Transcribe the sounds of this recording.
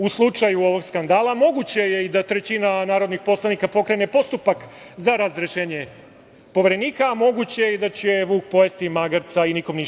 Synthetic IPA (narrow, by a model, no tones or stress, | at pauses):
uslˠut͡ʃajuo̞ʋo̞ɡskand̪aːlamo̞ɡut͡ɕe̞je̞id̪at̪ɾe̞t͡ɕinanaːɾo̞d̪nixpo̞slˠanikapo̞kɾe̞ne̞po̞st̪upak | zaɾazɾeʃe̞ːɲe̞ | po̞ʋeɾe̞niːkamo̞ɡut͡ɕejeid̪at͡ɕe̞ʋuːkpo̞jest̪imaɡaɾt̪sainiko̞mni